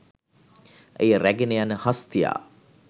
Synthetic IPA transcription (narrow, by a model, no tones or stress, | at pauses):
ʔejəɾæɡenəjanəhast̪ija̰ː